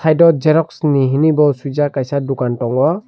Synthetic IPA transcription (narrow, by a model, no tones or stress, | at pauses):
sajdɔd͡ʒɛɾɔksniɦinibɔsujd͡ʒakajsadukantɔŋɡa